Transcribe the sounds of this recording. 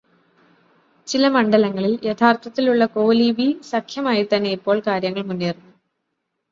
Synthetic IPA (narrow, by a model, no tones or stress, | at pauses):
t͡ɕilɐmɐɳɖɐlɐŋːɐɭiljet̪ʰaːrt̪ɐt̪ːiluɭːɐko̞ːlibisɐkʰjɐmaːjit̪ɐnːe̞ipːo̞ːɭkaːɾjɐŋːɐɭmunːijɐrnːu